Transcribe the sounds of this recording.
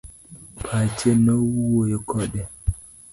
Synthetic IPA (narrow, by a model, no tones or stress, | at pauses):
pʰat͡ʃɛnɔwuwojɔkʰɔɗɛ